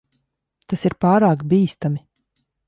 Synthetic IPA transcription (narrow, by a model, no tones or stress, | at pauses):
t̪asiɾpaːɾaːkbiːst̪ami